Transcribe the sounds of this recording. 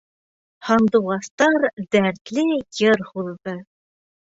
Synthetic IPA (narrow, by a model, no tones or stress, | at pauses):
hɑnd̪uʁɑst̪ɑɾd̪æɾt̪lɘjɤɾhuððɤ